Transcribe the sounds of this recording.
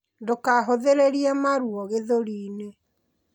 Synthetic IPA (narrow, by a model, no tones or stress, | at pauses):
dokaɦoðeɾeɾiɛmaɾuɔɣeðoɾiːne